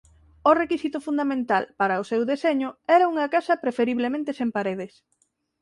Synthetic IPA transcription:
ʊrekisit̪ʊfund̪amẽnt̪alpaɾɐʊsewðeseɲʊɛɾɐuŋɐkasɐpɾefeɾiβlemẽnt̪esempaɾeð̞es

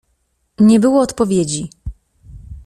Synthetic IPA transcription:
ɲɛbɘwɔːt̪pɔvʲjed͡ʑi

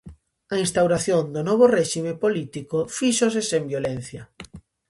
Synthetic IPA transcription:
ɐĩnst̪awɾaθjond̪ʊnɔβ̞orɛʃimepolit̪ikofiʃos̬esembjolen̟θjɐ

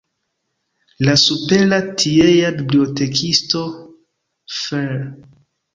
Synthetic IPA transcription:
lasupe̞latʰiejabibliote̞kʰisto̞ | fe

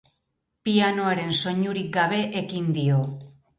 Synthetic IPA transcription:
piano̞aɾe̞nso̞ɲuɾik̚ɡaβ̞e̞ʔekind̪io̞

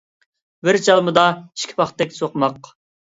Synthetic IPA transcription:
bɪɾd͡ʒɑlˠmɨd̪ɑi̥ʃkʲʰi̥pɑχt̪ːɛkʲsoqmɑq

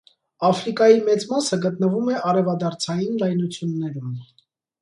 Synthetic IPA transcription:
ɑfɾikɑjimɛt͡smɑsəɡət̪nəvumɛʔɑɾɛvɑd̪ɑɾt͡sʰɑjinlɑjnut͡sʰjunːɛɾum

